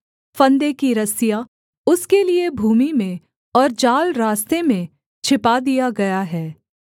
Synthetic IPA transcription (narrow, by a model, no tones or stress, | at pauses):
fɐ̃nd̪ekiɾɐsija | ʊskeliebʱuːmimẽ | ɔːɾd͡ʒaːlɾaːst̪emẽ | t͡ʃʰɪpad̪ijaɡɐjaɦɛː